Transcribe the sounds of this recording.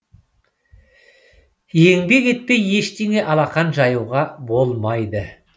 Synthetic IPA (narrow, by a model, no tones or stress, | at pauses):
je̞ŋbe̞ke̞t̪̚peje̞ʃt̪e̞ŋe̞ʔɑlˠɑqɑnʒɑjuwʁɑbo̞lˠmɑjd̪ə